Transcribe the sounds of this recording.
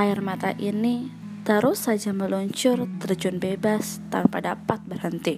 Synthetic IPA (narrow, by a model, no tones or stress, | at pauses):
ʔaɪrmat̪aʔini | t̪əɾʊsad͡ʒaməluɲt͡ʃʊrt̪ərd͡ʒunbebast̪a̰padapat̪̚bərhənt̪i